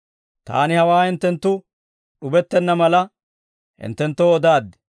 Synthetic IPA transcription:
t̪a̰ːnɪhɐwaːhɪnt̪ːɛnt̪ːʊ | ɗʊbɛt̪ːɛnːɐmɐlɐ | hɪ̰nt̪ːɛnt̪ːoɔd̪aːd̪ːɛ

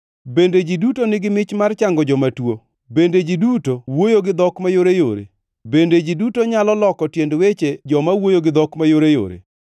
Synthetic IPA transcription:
bended͡ʒidutonɪɡɪmɪt͡ʃmart͡ʃaŋɡɔd͡ʒɔmatwo | bended͡ʒidutowojoɡɪd̪ɔkmajoɾejoɾḛ | bended͡ʒidutoɲalɔlɔkɔtjendwet͡ʃed͡ʒɔmawojoɡɪd̪ɔkmajoɾejo̰ɾḛ

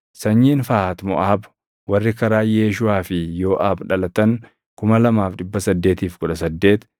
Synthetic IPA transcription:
sɐɲːiːnfaːt̪mɔ̰ʔaːb | wɐrːɪkɐɾaːjeːʃ̬ʊaːfɪjoːʔaːbᶑɐlɐt̪ɐŋ | kʊmɐlɐmaːfᶑɪbːɐsɐd̪ːeːt̪iːfkʊᶑɐsɐd̪ːe̞ːt̪

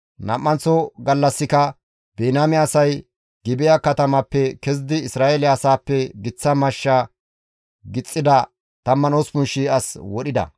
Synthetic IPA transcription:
nɐ̰mːɐnt͡sːɔɡɐlːɐsːɪkɐ | beːnaːmɪaːsɐj | ɡɪbɪjɐkɐt̪ɐmɐpːɛkɛz̬d̪ɪɪsɾaːelɪaːsaːpːɛɡɪt͡sːɐmɐʃːa | ɡɪt͡sʼːɪd̪ɐ | t̪ɐmːɐnoːspʊnʃiɐswɔɗɪd̪ɐ̰

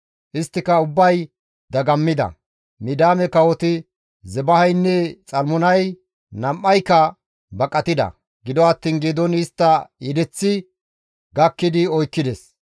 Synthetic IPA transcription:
ʔɪst̪ːɪkɐʊbːɐj | d̪ɐɡɐmːɪd̪ɐ̰ | mɪd̪aːmɛkɐwɔt̪ɪ | zɛbɐhɐjnːɛt͡sʼɐlmʊnɐj | nɐmʔːɐjkːɐ | bɐkʼːɐt̪ɪd̪ɐ̰ | ɡɪd̪ɔɐt̪ːiːnɡeːd̪ɔnɪst̪ːɐɛd̪ɛt͡sːɪ | ɡɐkːɪd̪ɪɔjkːɪd̪ɛs

